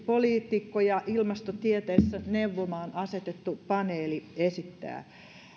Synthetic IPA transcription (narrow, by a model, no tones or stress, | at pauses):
poliːt̪ikːojɑʔilmɑst̪ot̪iet̪eːsːæneuʋːomɑːnɑset̪et̪ːupɑneːliesit̪ːæ̰ː